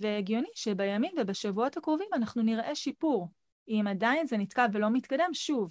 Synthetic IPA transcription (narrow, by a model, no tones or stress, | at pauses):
veeɡjo̞niʃebajamimvebaʃavuo̞thakʁovimanaχnuniʁʔe̞ʃipuʁ | imadainzenitkavːelo̞mit̪kade̞mʃuv